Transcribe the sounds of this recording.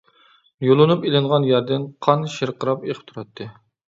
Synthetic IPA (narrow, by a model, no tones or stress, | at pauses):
jolˠɨnupelɪɴʁɑnjæɾd̪ɪnqʰɑnʃeɾqʰəɾɑpeqʰə̥p̚t̪ʰuɾɑt̪ʰːɨ